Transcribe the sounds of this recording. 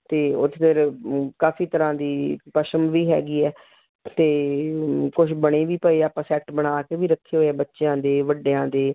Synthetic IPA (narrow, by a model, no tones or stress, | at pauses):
t̪eːʊt̪ːt̪eɾkaːfiːt̪əɾãːd̪iːpəʃəmʋiːɦɛ̰ːɡiːɛː | t̪eː | kʊʃbəɽ̃eːʋiːpəeːaːpãːsɛːk̚ʈbəɽ̃aːkeːʋiːɾəkʰːeːɦoːɛːbətːʃejãːd̪eːʋəɖːeːãːd̪eː